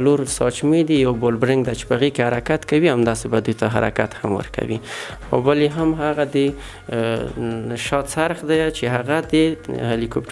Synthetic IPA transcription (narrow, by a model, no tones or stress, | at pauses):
luɾsɑt͡ʃmid̪ijawbolbɾɪŋɡd̪at͡ʃe̥pəaɣekehaɾakat̪kawiamd̪ɑsebad̪ujt̪aɦa̰ɾa̰kat̪hamwə̰ɾka̰wixa̰wbaleɦamɦaɣad̪ə | ʃɑt̪saɾxd̪ajt͡ʃeɦaɣad̪əhalikopʈ